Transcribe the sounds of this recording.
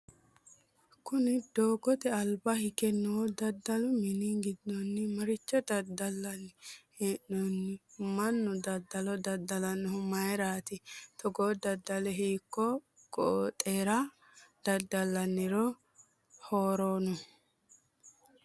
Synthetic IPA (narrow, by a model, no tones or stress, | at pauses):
kʊnɪd̪oːɡɔt̪ɛɐlbahɪkɛnːɔwɔd̪ɐd̪ːɐlʊmɪniɡɪd̪ːɔnːɪmɐɾɪt͡ʃːɔd̪ɐd̪ɐlːɐnhɛnːɔnːɪmɐnːʊd̪ɐd̪ːɐlɔd̪ɐd̪ɐlɐnːʊhʊmɐjɾaːt̪ɪt̪ʰɔɡoːd̪ɐd̪ːɐlɛɦiːkːɔ | ɡɔt̪ʼːeːɾɐ | d̪̥ɐd̪ːɐlːɐnːɪɾɔ | hoːɾoːnʊ